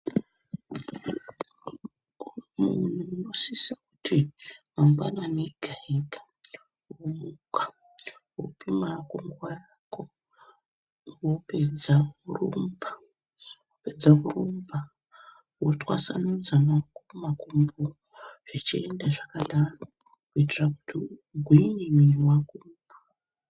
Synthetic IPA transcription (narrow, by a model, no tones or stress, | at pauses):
unuunosisakutʰimaŋɡwa̰naneɡ̥ʱaikḁ | oukḁ | wo̰pimakuŋɡuwajako | woped͡zaurumba | woped͡zakurumba | wotwa̰sa̰nud͡zanakumakumbu | ʐ̥et͡ʃḭendaʐakalana | kuitiraku̥tiɡʱwiɲimiwakumba